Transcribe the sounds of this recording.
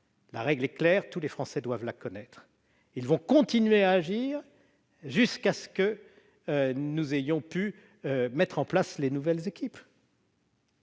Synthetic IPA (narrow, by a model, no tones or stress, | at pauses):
la̰ʁɛɡlɛklɛːʁt̪ulefχɑ̃sɛd̪wavlakɔnɛt̪χ | ilvɔ̃kɔ̃t̪inɥeaːʒiːʁ | ʒyskasə̥kə | nuzejɔ̃py | mɛt̪χɑ̃plaslenuvɛlzekʲʰip